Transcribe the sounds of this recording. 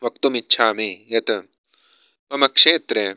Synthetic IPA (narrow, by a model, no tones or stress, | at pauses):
ʋɐk̚t̪umitːʃʰaːmiːjet̪ɐ | ɐmɐkʂeːt̪ɾe